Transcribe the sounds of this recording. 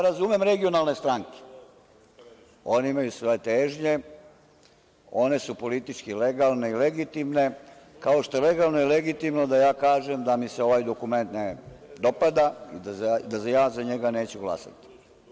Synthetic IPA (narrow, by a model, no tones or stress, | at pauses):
ɾazumemɾe̞ɡio̞nalˠne̞st̪ɾaŋke̥ | o̞niimajusʋo̞jet̪eːʒɲe | o̞ne̞supo̞lit̪it͡ʃkileɡalˠne̞ileɡit̪imne̞ | kao̞ʃt̪oele̞ɡalˠnoileɡit̪imno̞d̪ajaːkaːʒemd̪amiseo̞ʋaːjd̪o̞kume̞nt̪ned̪o̞pad̪aḭd̪ad̪azajaːzaɲeɡane̞ːt͡ɕuɡlˠa̰sa̰t̪i̥